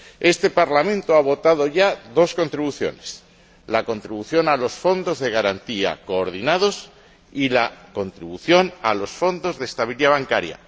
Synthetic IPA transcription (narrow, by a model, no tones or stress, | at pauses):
e̞st̪e̞paɾlamẽ̞nt̪oaβ̞o̞t̪að̞o̞ʝaðo̞sko̞nt̪ɾiβuθjo̞̰ne̞s | lako̞nt̪ɾiβuθjo̞nalo̞sfo̞nd̪o̞zðe̞ɣaɾant̪ia̰ko̞ːɾð̞inað̞o̞s | ilako̞nt̪ɾiβuθjo̞nalo̞sfo̞nd̪o̞zðest̪aβiliðaβaŋkaɾja̰